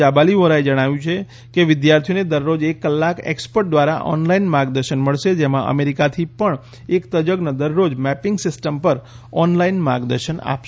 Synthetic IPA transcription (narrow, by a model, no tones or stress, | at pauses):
abaliʋoɾaed͡ʒəɽ̃aʋjũt͡ʃʰe | keʋɪd̪jaɾt̪ʰijoned̪əɾːod͡ʒekːəlːakḛkspəɾʈ̚d̪ʋaɾa̰ʔɔ̰nlainmaɾɡd̪əɾʃənməɭʃed͡ʒemãʔə̰meɾikat̪ʰipəɳ | ekt̪əd͡ʒəɡnəd̪əɾːod͡ʒmɛpɪŋɡsɪsʈəmpəɾ | ɔnlainma̰ɾɡd̪ə̰ɾʃəna̰pʃ